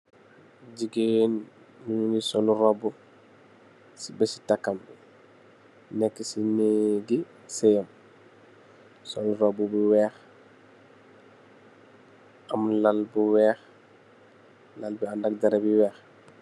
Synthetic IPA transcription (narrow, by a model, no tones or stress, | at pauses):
ɟiɡen | miɲunisɔluɾobu | sibesi̥takːam | nɛkːesineɡi | sejɐm | soluɾobubuwɛːx | ʔamulalbuwɛːx | lalbiandak̚daɾebiwɛːx